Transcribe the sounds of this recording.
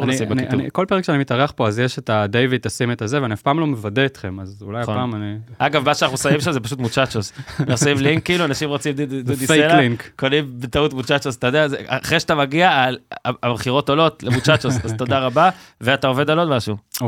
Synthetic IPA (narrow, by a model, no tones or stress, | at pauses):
aniimbnkianḭko̞lpeekʃeanimit̪aʁeaχpo̞azjeʃetad̪ejvit̪asemet̪azeveaniafpaːmlo̞mevadeit̪χe̞mazulajapaːmaniaɡavmaʃeanaχusavimʃamzepaʃut̪mut͡ʃat͡ʃosnasimliŋkːiiluanaʃimʁot͡simduddud̪ifselaliŋkkolimbet̪autmut͡ʃat͡ʃosat̪ajod̪eazeaχʁeʃat̪amaɡiaalaabχiʁo̞tolo̞tlemut͡ʃat͡ʃosazt̪o̞d̪aʁabaveat̪ao̞ve̞d̪alo̞dmaʃuo